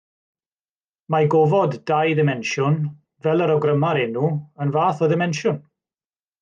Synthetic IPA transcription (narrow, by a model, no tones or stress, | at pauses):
maɡɔvɔddajdɪmɛnʃʊn | vɛlˠəɾɔɡrəmaɾɪnuənvaːθɔdɪmɛnʃʊn